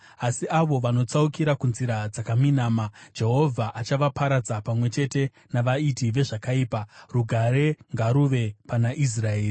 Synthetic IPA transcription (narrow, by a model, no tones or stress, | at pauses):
asiaʋo̞ʋano̞t͡saukiɾakunziɾad͡zakaminaːmad͡ʒe̞ɦo̞vʱaʔat͡ʃaʋapaɾad͡zapamwe̞t͡ʃe̞te̞ | naʋaitiʋe̞ʐakaiːparuɡʱaɾe̞ŋɡaɾuʋe̞panaʔis̬rae̞ːri